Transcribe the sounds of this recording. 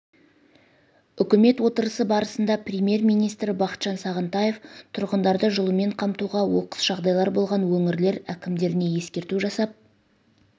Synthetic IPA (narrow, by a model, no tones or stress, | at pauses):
ʏkʲɪme̞t̪wo̞t̪əɾəsəbɑɾəsənd̪ɑprʲemʲje̞rmijnijst̪ɾɪbɑqə̥t̪ʒ̥ɑnsɑʁənt̪ɑje̞ft̪ʰʊɾʁənd̪ɑɾd̪əʒəlˠəme̞ɴqʰɑmt̪uʁɑwo̞̰qə̥sʒ̥ɑʁd̪ɑjlˠɑɾbo̞lˠʁɑnwɵŋɪɾle̞ɾækʲɪmd̪e̞ɾɪne̞je̞skʲe̞ɾt̪uʒɑsɑp̚